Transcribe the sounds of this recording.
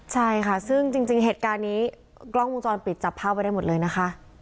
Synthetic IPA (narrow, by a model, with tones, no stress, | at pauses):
t͡ɕʰa˥˩jkʰa˥˩sɯ˥˩ŋt͡ɕi˧ŋt͡ɕi˧ŋɦeː˨˩t̪̚kaː˧nːiː˦˥ | klɔ˥˩ŋwu˧ŋt͡ɕɔː˧npi˨˩t̪̚t͡ɕa˨˩pʰːaː˥˩wpa˧jda˥˩mo˨˩t̪̚lɤː˧jna˦˥xʰa˦˥ʔ